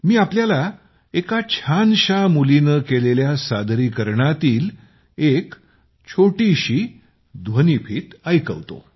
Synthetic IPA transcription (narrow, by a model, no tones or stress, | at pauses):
miːapljala | ekat͡ɕʰanɕamulinəkeleljasad̪ʱɾiːkəɾɳat̪iːl | ek | t͡ɕʰoʈiɕiː | d̪ʋənipʰiːt̪əjkə̰ʋt̪o̰